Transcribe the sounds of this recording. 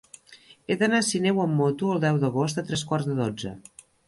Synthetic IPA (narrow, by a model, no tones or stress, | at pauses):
eðənasinɛwəmːot̪uəlˠd̪ɛwðəɣ̞ost̪ət̪ɾɛskwarzðəðod͡zə̰